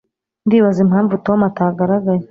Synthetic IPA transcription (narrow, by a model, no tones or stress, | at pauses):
ndiːβazimhaːɱvutomataɡaɾaɡaje